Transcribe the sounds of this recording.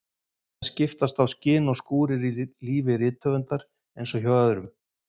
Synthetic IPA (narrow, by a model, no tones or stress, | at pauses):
θascɪft̪ast̪awscɪːnɔskuːɾɪɾiliːvɪɾɪːt̪ʰːœːvʏnt̪aɾ̥ | ejnsɔçɔðʏɾʏm